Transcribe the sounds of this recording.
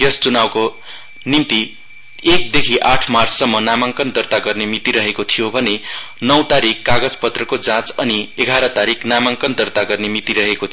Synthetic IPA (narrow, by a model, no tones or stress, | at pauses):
jʌst͡sunawko | nint̪i | ek̚d̪ekʰiʔaʈʰmarsʌmːʌnamaŋkʌnd̪ʌrt̪aɡʌrnemit̪iɾʌɦekot̪ʰijobʱʌne | nʌwt̪aɾikːaɡʌd͡zpʌt̪rʌkod͡zãt͡sʌnieɡʱaɾʌt̪aɾiknamaŋkʌnd̪ʌrt̪aɡʌrnemit̪iɾʌɦekot̪ʰ